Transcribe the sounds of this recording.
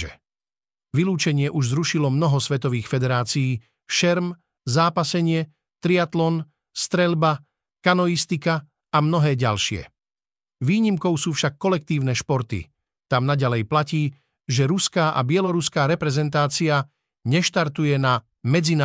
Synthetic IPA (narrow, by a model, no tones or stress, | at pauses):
ɛ | ʋiluːt͡ʃɛɲɪɛʔuʒzɾuʃilɔmnɔɦɔsʋɛt̪ɔʋiːxfɛd̪ɛɾaːt͡sijiː | ʃɛɾm | zaːpasɛɲɪɛ | t̪ɾiat̪lɔn | st̪ɾɛlba | kanɔjist̪ika | amnɔɦɛːɟalʃɪɛ̰ | ʋiːɲimkɔʊsuːfʃakːɔlɛk̚t̪iːʊnɛʃpɔɾt̪ḭ | t̪amnaɟalɛjplaciː | ʒɛɾuskaːʔa̰bɪɛlɔɾuskaːɾɛpɾɛzɛnt̪aːt͡sia | ɲɛʃt̪aɾt̪ujɛna | mɛd͡zin